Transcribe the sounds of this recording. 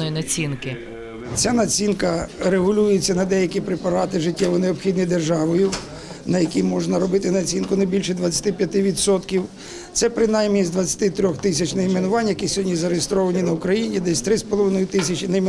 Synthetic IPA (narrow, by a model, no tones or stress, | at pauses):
jinɐt͡sʲinkɪ | t͡sʲanɐt͡sʲinkɐɾeɦʊlʲujet͡sʲːɐnɐd̪ɛjɐkʲipɾɪpɐɾɑt̪ɪʒɪtʲːɛʋʊjneɔpxʲid̪nɪjd̪erʒɑʋɔjʊ | nɐjɐkʲimɔʒnɐɾɔbɪt̪ɪnɐt͡sʲinkʊnɐjbʲilʲʃɛd̪ʋɐt͡sʲːɐ̥t̪ɪpʲjɐt̪ɪʋʲit̪sɔt̪kʲiw | t̪sɛpɾɪnajmnʲizd̪ʋɐt͡sʲːɐ̥t̪ɪt̪ɾʲɔxt̪ɪsʲɐt͡ʃnɐjmenʊʋɑnʲːjɐkʲisʲɔdʲnʲizɐɾeɦest̪ɾɔʋɐnʲinɐʊkɾɐjinʲid̪ɛsʲt̪ɾɪspɔlˠɔʋɪnɔjʊt̪ɪsʲɐt͡ʃɪnɐm